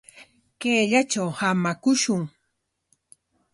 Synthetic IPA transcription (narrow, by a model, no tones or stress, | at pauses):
keːʎat͡ʃawhamakʊʃʊŋ